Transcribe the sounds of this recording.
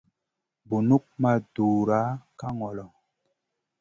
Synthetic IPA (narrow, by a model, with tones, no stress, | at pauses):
bu˨nu˦k̚ma˦˨duː˨ɾa˨˦ka˦ŋɔ˨lɔ˨